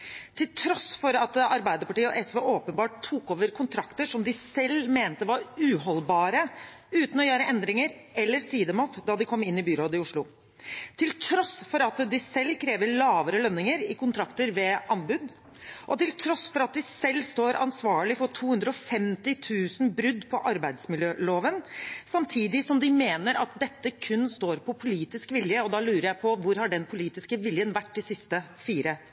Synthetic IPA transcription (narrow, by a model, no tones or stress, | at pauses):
t̪ʰɪlt̪ʰɾɔsfɔɾɑt̪ɑɾbæɪd̪əɾpɑʈiːəɔʔɛsʋeːʔoːpənbɑːʈ̚t̪ʰːuːkoːʋəɾkʰʊnt̪ʰɾɑkt̪əʂɔmd̪ɪsɛlːmeːnt̪əʋɑɾʉːɦɔlbɑːɾə | ʉːt̪n̩ɔjøːɾəʔɛnd̪ɾɪŋəɾɛlːəɾsiːd̪əmɔpd̪ɑd̪ɪkʰɔmːɪnːɪbʏɾoːd̪ɪʊʂɭʊ | t̪ʰɪlt̪ʰɾɔsfɔɾɑt̪d̪ɪsɛlːkʰɾeːʋəɭɑːʋəɾəlœnːɪŋəɾɪkʰʊnt̪ʰɾɑkt̪əɾʋɛɑnbʉd̪ | ʔɔt̪ɪlt̪ʰɾɔsfɔɾɑt̪̚d̪ɪsɛlːst̪oːɾɑ̰nsʋɑːɭɪfɔʈʰuːhʉnd̪ɾəɔfɛmt̪ɪt̪ʰʉːsn̩bɾʉd̪ːpʰɔʔɑɾbæɪd̪smɪljøːloːʋənsɑmt̪ʰiːd̪ɪsɔmd̪ɪmeːnəɾɑ̰t̪̚d̪ɛt̪ːəkʰʉnːst̪oːɾpʰɔpʰʊliːt̪ɪskʋɪljəɔd̪ɑlʉːɾəɾjæɪpʰɔʋʊɾhɑɖɛnpʰʊliːt̪ɪskəʋɪljənʋæʈːd̪ɪsɪst̪əfiːɾə